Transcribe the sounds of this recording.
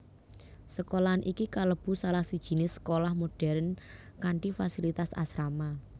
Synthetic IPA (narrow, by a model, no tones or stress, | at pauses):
səkolanʔikikaləb̥ṳsalahsid̥ʒ̥i̤nesə̥kolahmoɖ̥ɛ̤ɾnkaɳʈifasilit̪asa̰sɾama